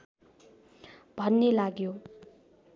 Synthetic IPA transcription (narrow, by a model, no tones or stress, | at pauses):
b̥ʱʌnːelaɡjo